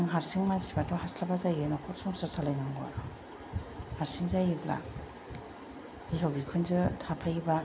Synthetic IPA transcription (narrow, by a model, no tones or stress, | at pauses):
ŋɦaɾsiŋmansibatʰɔhaslabazajenakʰɔɾsɔŋsasalajnaŋɡɔa̰ɾɔ | haɾsiŋzajibla̰ | ihawbikʰɯnzɯtʰapʰajba